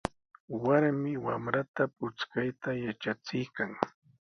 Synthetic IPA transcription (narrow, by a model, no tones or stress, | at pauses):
waɾmɪwamɾat̪apʊt͡skajt̪ajat͡ʃat͡sɪjkaŋ